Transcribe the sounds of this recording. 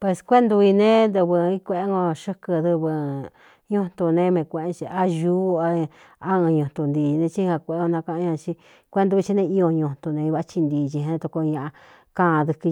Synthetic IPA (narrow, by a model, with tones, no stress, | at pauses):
pwe˧skʷe˦nd̪u˧i˧nẽ˦nd̪ɨ˧βɨ˧ĩ˦kʷe˧ʔe˦ŋɡo˧ʃɨ˦kɨ˧ðɨ˧βɨ˧ | ɲũ̥˦t̪u˧nẽ˧mẽ˧kʷẽ˧ʔẽ˦t͡ʃi˧a˦ʒuː˦a˧ | a˦ɨ̃˧ɲũ˧t̪u˧nd̪iː˧nẽ˧t͡ʃi˦˧a˧kʷe˧˨e˦ŋɡo˧nã˧kã˧ʔɲã˧t͡ʃi˧ | kʷe˦nd̪u˧i˧t͡ʃi˧nẽ˧i˧o˧ɲũ˧nt̪u˧nẽ˧i˧βa˦t͡ʃi˧nd̪iː˧t͡ʃi˧ẽ˧t̪u˧ko˧ɲã˧ʔa˧ | kã˦˧ðɨ˧kɨ˧